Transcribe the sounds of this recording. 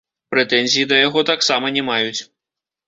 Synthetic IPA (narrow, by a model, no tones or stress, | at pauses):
pɾɛt̪ɛnʲzʲijid̪ɐjaɣɔt̪aksamɐnʲɛmajut͡sʲ